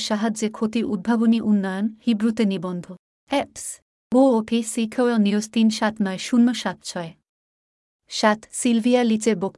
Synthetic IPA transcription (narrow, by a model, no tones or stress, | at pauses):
ʃaɦad͡ʑekʰot̪iɾʔud̪̚bʱaboniʔunːajonhibɾut̪enibɔnd̪ʱo | ɛps | ɡoopʰisikʰoelnijost̪inʃat̪naeʃunːoʃat̪t͡ɕʰɔe | ʃat̪silbʱialit͡ɕebok